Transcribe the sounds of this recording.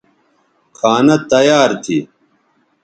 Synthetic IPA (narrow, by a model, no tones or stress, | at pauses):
kʰaːnɐt̪ɐjaːɾt̪ʰḭ